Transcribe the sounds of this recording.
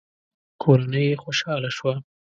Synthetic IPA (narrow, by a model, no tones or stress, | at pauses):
kʰoɾanəjexoʃɑlaʃwa